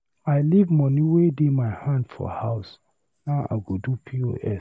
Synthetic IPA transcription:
aɪlivmɔniwedemaɪhãndfɔ̰haʊs | naa̰ɡodupʰio̰ʔɛs

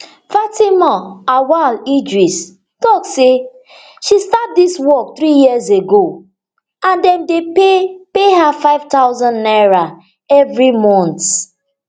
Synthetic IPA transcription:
fatimɔawalid͡ʒɹis | tɔkse | ʃistap̚diswɔk̚tɹijizeɡo | ãndɛ̃mdeepeɦafaɪv̥taʊzɔ̃nːaɹa | ɛvɹimɔ̃nt

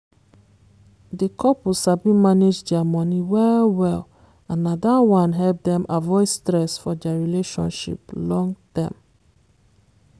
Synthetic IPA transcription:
dekʰɔpusabĩmaned͡ʒdɛamɔniwɛwɛl | ãnadawãnɦɛlp̚dɛ̃mʔavɔɪstɹɛsfɔdɛaɹileʃɔ̰̃nʃḭplɔ̃ŋtɛ̃m

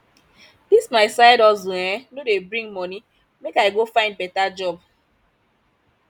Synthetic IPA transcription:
dismaɪsaɪɾɔzuɛnodebɾĩŋmɔni | mekaɪɡofaɪ̃nd̚bɛtad͡ʒɔb

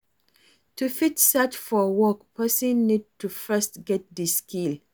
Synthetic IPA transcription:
tʰufitsɛtfɔwɔkpʰɜsə̃nːid̚tʰufɜstɡɛt̚diskil

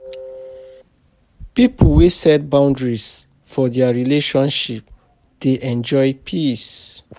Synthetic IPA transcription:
pipʰulwesɛt̚bãʊ̃ndɹis | fɔdɛaɹileʃɔ̃nʃip̚ | d̥eʔɛ̃nd͡ʒɔjpʰis

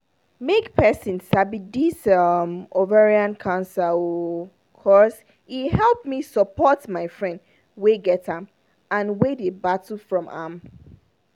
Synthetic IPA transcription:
mekpʰɛsĩnsabidisʌmovɛɹiãnkʰãnsau | kʰɔs | ihɛlˠpmisəpɔtmaɪfɹɛ̃nd | weɡɛtãm | ãnwedebatl̩fɹɔ̃ma̰m

